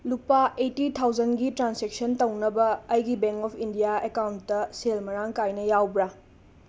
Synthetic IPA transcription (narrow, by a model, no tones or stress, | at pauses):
lupaʔetitʰawd͡ʒɐnɡitɾansek̚sɐntɐwnɐbɐːjɡibeŋkɔpʰindijaekawntːɐselmɐɾaŋkajnɐjawbɾa